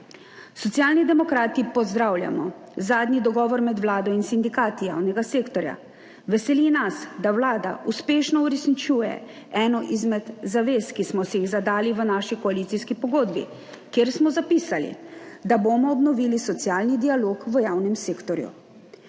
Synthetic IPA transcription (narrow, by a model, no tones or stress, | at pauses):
sɔt̪sjaːlnid̪ɛmɔkɾaːt̪ipɔzd̪ɾawlja̰mɔ̰ | zaːd̪nid̪ɔɡɔːʋɔɾmɛd̪ʋlaːd̪ɔinsind̪ikaːt̪ija̰wnɛɡaseːkt̪ɔɾja̰ | ʋɛsɛlinasd̪awlaːd̪a̰ʔuspeːʃnɔuɾɛsnit͡ʃuːjɛ̰ | ɛnɔʔizmɛd̪zaʋeːskismɔsɛjiɣzad̪aːliʋənaʃikɔaliːt̪siskipɔɡoːd̪bḭ | kjeɾsmɔzapiːsalḭd̪aboːmɔːbnɔʋilisɔt̪sjaːlnid̪ialoːkʋəjaːwnɛmseːkt̪ɔɾjṵ